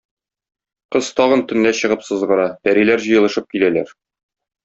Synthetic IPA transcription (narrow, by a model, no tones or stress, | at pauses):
qɤz̥t̪ɒʁɤ̆nt̪ɵ̆nːæɕɤ̆ʁɤpsɤ̆zʁɤ̆ɾɑt̪æɾilæɾʑɤ̆jɤ̆lˠɤ̆ʃɤp̚kilælæɾ